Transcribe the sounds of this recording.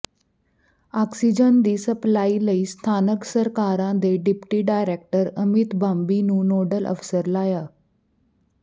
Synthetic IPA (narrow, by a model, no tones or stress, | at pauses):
aksid͡ʑənd̪iːsəplailəiːst̪ʰanəksəɾkaɾãd̪eɖipʈiːɖajɾek̚ʈəɾəmit̪bambinuːnoɖəlʔə̰fsəɾlaja